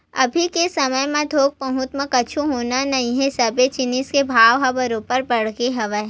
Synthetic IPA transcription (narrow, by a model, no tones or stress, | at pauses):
ɐ̰bʱikesɐməjmẽd̪ʱoːɡ̚pɐɦʊt̪məkɐt͡ʃʰuɦoːnanɐɦĩɦɛ̃sɐbet͡ʃɪniskebʱaːʋɦɐbəɾopəɾbɐɽ̤keɦɐʋə